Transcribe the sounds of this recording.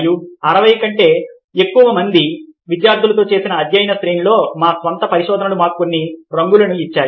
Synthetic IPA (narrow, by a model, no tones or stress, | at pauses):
juɐɾɐʋɐjkɐɳʈe̞ː | ekːuʋɐmɐnd̪iʋid̪jaːɾd̪ʱulɐt̪o̞ːt͡ʃe̞ːsinɐːd̪jɐjnɐsɾeːnlo̞ːmaːsʋɐnt̪ɐpɐɾiʃɔːd̪ʱɐnɐlumaːɾkonːiɾɐŋɡulɐnuit͡ʃːaːju